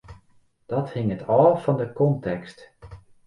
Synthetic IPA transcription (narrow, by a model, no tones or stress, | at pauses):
d̥ɔthɪŋətʰɔːfɔndəkɔntɛkst